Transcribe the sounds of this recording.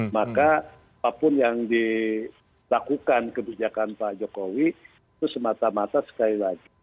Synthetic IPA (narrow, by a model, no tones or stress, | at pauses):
maka | apapʊnjaŋdi | lakukankəbid͡ʒakanpad͡ʒokowi | it̪usəmat̪amat̪asə̥kalilaɡi